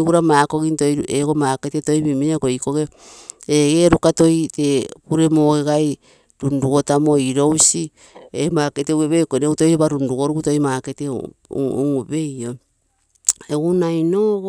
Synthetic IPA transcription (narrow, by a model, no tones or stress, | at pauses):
uɾamaːko̞ɣintojɾueɡomaːketeto̞jmimiakoiko̞ɡe | eɡeɾukato̞jtekuɾe̞moːɡeɡaj | ɾunduɡo̞tamo̞iɾo̞wsi | emaːketeueβejkoneuto̞jɾoβaɾunduɡo̞ɾuuto̞jmaːketḛ | ŋβe̞jo̞ | eɡunajno